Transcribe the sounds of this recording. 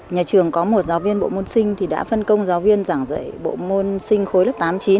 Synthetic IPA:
ɲaː˨˩t͡ɕɨ˨˩əŋkɔ˨˦mo˨˩t̚zaː˨˦wvi˧ənɓo̰˧˨mo˧nsï˧ŋ̟t̪ʰi˨˩ɗa̰ː˧˥fə˧nkə˧wŋ͡mzaː˨˦wvi˧ənzaː˧˩ŋzə̰˧˨jɓo̰˧˨mo˧ənsï˧ŋ̟xo˨˦jlə˦˥˩p̚t̪aː˨˦mt͡ɕi˨˦n

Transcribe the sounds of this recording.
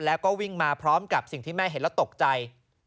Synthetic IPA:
lɛː˦˥wkɔː˥˩wi˥˩ŋmaː˧pʰɾɔː˦˥mka˨˩p̚si˨˩ŋt̪ʰiː˥˩mɛː˥˩ɦe˨˦lɛ˦˥wt̪o˨˩k̚t͡ɕa˧j

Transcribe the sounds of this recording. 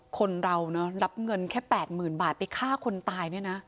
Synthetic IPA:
kʰo˧nɾa˧wnɔ˦˥ɾa˦˥p̚ŋɤ˧nkʰɛː˥˩pɛː˨˩t̪̚mɯː˨˩nbaː˨˩t̪̚pa˧jkʰaː˥˩kʰo˧nt̪aː˧jni˥˩ɐna˦˥

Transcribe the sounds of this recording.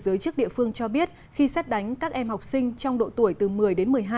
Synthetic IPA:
zɨː˨˦jt͡ɕɨ˦˥ək̚ɗḭ˧˨fɨ˧əŋt͡ɕɔ˧ɓi˦˥ət̚ | xi˧sɛ˦˥t̚ɗa˨˦jŋ̟kaː˦˥k̚ʔɛ˧mha˨˩wk͡p̚sï˧ŋ̟t͡ɕɔ˧wŋ͡mɗo̰˧˨t̪u˧˩əjt̪ɨ˨˩mɨ˨˩əjɗe˨˦nmɨ˨˩əjɦaː˧

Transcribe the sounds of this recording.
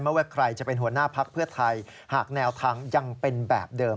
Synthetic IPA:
m˥˩wɛ˥˩kʰɾa˧jt͡ɕa˨˩pe˧nɦu˩˦ɐnaː˥˩pʰa˦˥k̚pʰɯ˥˩ɐt̪ʰa˧j | haː˨˩k̚nɛː˦˥wt̪ʰaː˧ŋja˧ŋpe˧nbɛ̰ː˨˩p̚dɤː˧

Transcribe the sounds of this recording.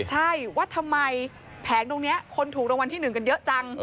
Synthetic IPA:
t͡ɕʰa˥˩jwaː˥˩t̪ʰa˧mːa˧j | pʰɛː˩˦ŋt̪oː˧ŋni˦˥ɐkʰo˧nt̪ʰu˨˩k̚ɾoː˧ŋwa˧nt̪ʰiː˥˩nɯ˨˩ŋka˧njɤ˦˥ʔt͡ɕa˧ŋ

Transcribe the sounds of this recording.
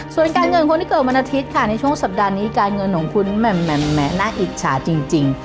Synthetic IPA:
su˨˩ənkaː˧nŋɤ˧nkʰo˧nt̪ʰiː˦˥˧kɤː˨˩wa˧nːa˧t̪ʰi˦˥t̪̚kʰa˥˩na˧jt͡ɕʰu˥˩ə˨ŋsa˨˩p̚daː˧niː˦˥kaː˧nŋɤ˧nːoː˩˦ŋkʰu˧nmɛ˨˩mːɛ˨˩mːɛ˦˥naː˥˩ŋʔiː˨˩k̪̚t͡ɕʰa̰ː˩˦t͡ɕi˧ŋt͡ɕi˧ŋ

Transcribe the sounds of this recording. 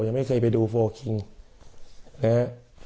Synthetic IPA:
ja˨˩ŋma˥˩jkʰɤː˧jp̬a˧jduː˧foː˧kʰi˧ŋ | nɛ˦˥

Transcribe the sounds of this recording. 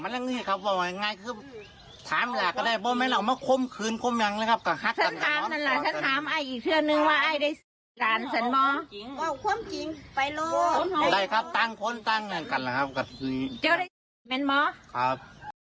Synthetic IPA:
ma˧˥nla˧ŋɯː˧˩kʰa˧˩p̚waː˧˩wa˧ŋaː˧˥˨jkʰɯː˧˩ | t̪ʰaː˨˦m˧laː˨˩kːa˧˩daː˧˩jbɔː˧˦mɛː˧˥nla˧˩wmaː˧˩kʰo˧˥˨mkʰɯː˨nkʰo˧˥˨mɲa˨˧˦ŋla˧˦kʰa˧p̚ka˧˩ha˧˥k̚sʰa˧˨nt̪ʰaː˨˦mka˧˩nla˧˩sʰnt̪ʰaː˨˦mʔa˧˩jʔiː˨˩k̚t̪ʰɯ˧˩ə˨nɯ˧ŋwaː˧ʔa˧˩jda˧˩j | laː˨˦nsa˧˦˥nmɔː˧˥˨ŋa˧˩wkʰu˧˥˨mki˨ŋpa˨jlɔː˧˩˧da˧˩jkʰa˧˥p̚t̪aː˧˩˨ŋkʰo˧˥˨nt̪aː˧˩˨ŋnɯ˧˩˨nka˨˩nla˧˩kʰa˦˧p̚ka˧˩˧ni˧˩t͡ɕa˧˥˨wda˧˨jmɛː˧˥˨nmɔː˧˥kʰa˧˥p̚

